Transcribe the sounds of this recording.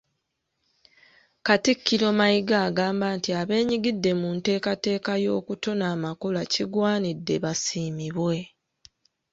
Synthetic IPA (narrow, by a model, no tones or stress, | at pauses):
katikʰːiɾo̞ːmajiɡaːɡaːmbaːntiaβe̞ːɲiɡidːe̞munte̞ːkate̞ːkajo̞ːkutonaːmakolaciɡwaːnidːe̞̰βasiːmiβwe̞